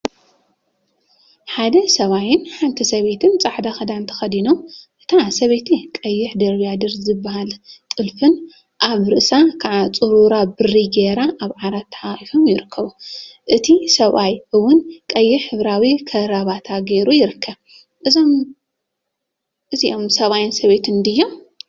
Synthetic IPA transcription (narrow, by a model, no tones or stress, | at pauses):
ħad̪ɐsɐβajɪnħant̪ʰɐsɐβe̞t̪ʰɨnt͡sʼaħd̪axɐd̪ant̪ʰɐ̥xɐd̪inomʔɨt̪ʰasɐβet̪ʰikʼɐjːɪħd̪ɐɾβijad̪ɨɾzɨbːahalt̪ʼɨlfɨn | ʔaβɾɨʔsʼakʰaʕat͡sʼɨɾuɾabɨrːiɡeɾaʔaβʕaɾat̪ʰːɐħaxʼifomjɪɾɨkʰːɐβuʔɨt̪ʰisɐβajɨwːʊnkʼɐjːɪħɨβɾawikʰɐɾaβat̪ʰaɡeɾujɪɾɨkʰːɐβ | ʔɨzom | ʔɨziʔomsɐβajɪnsɐβet̪ʰɨnnd̪ɨjːom